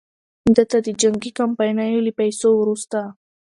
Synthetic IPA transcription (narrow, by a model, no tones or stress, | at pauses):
d̪ət̪ad̪əd͡ʒaŋɡikampajnajoləpajsowɾust̪a